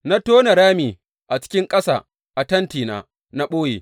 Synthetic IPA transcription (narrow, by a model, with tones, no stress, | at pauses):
na˦toː˦na˨ɽaː˦miː˨ | ʔa˨t͡ʃɪ̥˦kʲɪ˦ŋkʼɐ˦sa̰ː˨ | ʔa˨tɐ˦ntiː˨na̰ː˨ | na˦ɓoː˦jḛː˨